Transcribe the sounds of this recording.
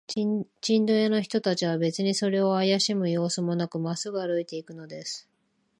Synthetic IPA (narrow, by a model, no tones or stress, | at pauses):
t͡ɕĩnd̪o̞jano̞çi̥t̪o̞t̪at͡ɕiβabe̞t͡sɨɲ̟iso̞ɾe̞o̞ajaɕimɯ̟jo̞ːsɨmo̞nakɯ̟masɨɡɯaɾɯ̟it̪e̞ikɯ̟no̞d̪e̞sɨ̥